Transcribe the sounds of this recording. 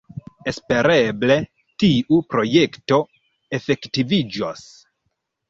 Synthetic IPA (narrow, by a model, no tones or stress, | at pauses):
espe̞ɾeble̞ | tiʔupɾo̞je̞kto̞ | efe̞ktivid͡ʒos